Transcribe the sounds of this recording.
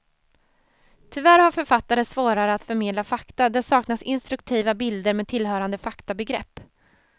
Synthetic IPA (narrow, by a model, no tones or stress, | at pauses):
t̪ʰʏvæɾhaɾfœɾfat̪ːaɾəsvoːɾaɾəat̪fœɾmeːd̪lafakt̪ad̪ɛsɑːknasɪnst̪ɾɵk̚t̪ʰiːvabɪld̪əɾmeːd̪t̪ʰɪlɦœːɾand̪əfakt̪abɛɡɾɛ̰pː